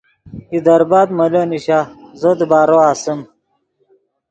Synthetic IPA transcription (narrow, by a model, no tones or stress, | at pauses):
id̪ɐɾbaːd̪mɐloniɕazoːd̪ibaːɾoaːsəm